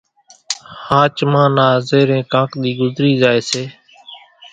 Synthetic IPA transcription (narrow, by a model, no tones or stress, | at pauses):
hãːt͡ʃmãːnaːzeːɾẽːkãːkɗ̪iːɡʊzɾiːzaːeːseː